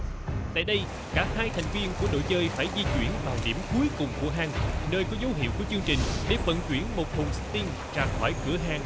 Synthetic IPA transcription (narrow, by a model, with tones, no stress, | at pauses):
t̪a̰ː˧˨jɗə˧j | kaː˧˥haː˧jt̪ʰɛ˨˩ŋ̟vi˧ənku˧˩əɗo̰˧˨jt͡ɕəː˧jfaː˧˩jzi˧t͡ɕwi˧˩ənvaː˨˩wɗḭ˧˩əmku˨˦jkʊ˨˩ŋ͡mku˧˩əɦaː˨˩ŋnəː˧jkɔ˨˦zə˨˦wɦḭ˧˨wku˧˩ət͡ɕɨ˧əŋt͡ɕï˨˩ŋ̟ɗe˧˩və̰˧˨nt͡ɕwi˧˩ənmo˨˩t̚t̪ʰu˨˩ŋ͡msɨ̥˦˥k̚t̪i˧n | t͡ɕaː˨˩ŋxɔ˧˩jkɨ˧˩əɦaː˨˩ŋ